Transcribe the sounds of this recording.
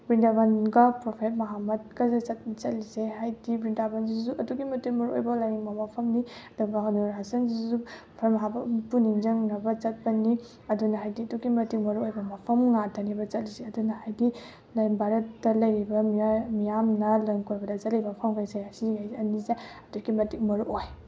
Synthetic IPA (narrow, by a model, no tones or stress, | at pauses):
bɾindabanɡɐpɾopʰet̚mɐɦamɐd̚kɐzesɐt̚t͡ʃɐtlizeɦajdibɾindabanzizuʔɐduɡimɐtimɐɾuojbɐlajŋbɐmɐpʰɐmniɐduɡɐɦɐnuɾasɐnzizu | pʰemɐɦabɐpuniŋd͡ʒɐŋnɐbɐt͡ʃɐt̚pɐni | ɐdunɐɦajdiɐduɡimɐtik̚mɐɾuojbɐmɐpʰɐmŋatʰɐnibɐt͡ʃɐt̚lizeɐdunɐhajdi | lajŋbʱaɾɐtːɐlɐjɾibɐmijamnɐlɐŋkojbɐdɐt͡ʃɐt̚lijbɐpʰɐmkʰajseasiɡajɐnizeɐduɡimɐtik̚mɐɾuʔoj